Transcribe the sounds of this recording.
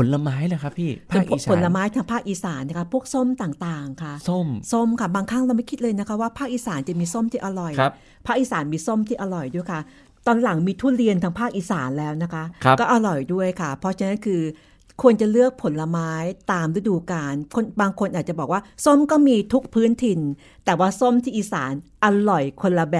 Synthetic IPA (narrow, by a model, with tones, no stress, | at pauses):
pʰo˩˦nla˧maː˦˥jla˧kʰa˦˥pʰiː˥˩o˧˥˩k̚ːpo˨˩˦nla˧˦˧maː˦˥jt̪ʰa˦˥ŋpʰaː˥˩k̚ʔiː˧saː˩˦nːa˦˥kʰa˦˥pʰu˥˩ək̚so˥˩mt̪aː˨˩ŋt̪aː˨˩ŋkʰa˥˩so˥˩mso˥˩mkʰa˥˩baː˧ŋkʰa˥˩ŋɾa˧wma˥˩jkʰi˦˥t̪̚lɤː˧jna˥kʰa˦˥waː˥˩pʰaː˥˩k̚ʔiː˧saː˩˦nt͡ɕa˨˩miː˧so˥˩mt̪ʰiː˥˩ʔa˧ɾɔ˨˩jʰ | pʰaː˥˩k̚ʔiː˧˩saː˩˦nmiː˧so˥˩mt̪ʰiː˥˩ʔa˧ɾɔ˨˩jdu˥˩ə˩jkʰa˥˩ | t̪ɔː˧nla˨˩˦ŋmiː˧t̪ʰuː˥˩ɾi˧ənt̪ʰa˦˥ŋpʰaː˥˩k̚ʔiː˧saː˩˦nlɛː˦˥wna˦˥kʰa˦˥ʔʰkɔː˥˩ʔa˧ɾɔ˨˩jdu˥˩əjkʰa˥˩pʰɔ˦˥t͡ɕʰa˧na˦˥nkʰɯː˧ | kʰu˧ənt͡ɕa˨˩lɯ˥˩ək̚pʰo˨˩˦nla˧maː˦˥jt̪aː˧mɾi˦˥˩duː˧kaː˧nkʰo˧nbaː˧ŋkʰo˧nʔaː˨˩t̪̚t͡ɕa˨˩bɔː˨˩k̚waː˥˩so˥˩mkɔː˥˩miː˧t̪ʰu˦˥k̚pʰɯː˦˥nt̪ʰi˧n | t̪ɛː˨˩waː˥˩so˥˩mt̪ʰiː˥ʔiː˨˩saː˩˦nʔa˧lɔ˨˩jkʰo˧nla˧bɛː˨